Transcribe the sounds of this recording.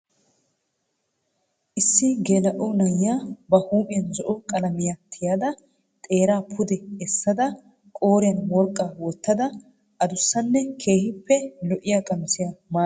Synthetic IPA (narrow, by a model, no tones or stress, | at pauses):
ʔɪsːɪɡeːlɐʔɔnɐjːaːbɐhuːmɪjɐnzɔʔɔkʼɐlɐmɪjat̪ʰɪjaːd̪ɐ | t̪ʼe̞ːɾaːpʰʊd̪ɛɛsːɐd̪ɐ | kʼoːɾɪjɐnwɔɾkʼːaːwɔt̪ːɐd̪ɐ | ʔɐd̪ʊsːɐnːɛkʰe̞ːhɪpːɛlɔʔɪjaːkʼɐnsɪjamaː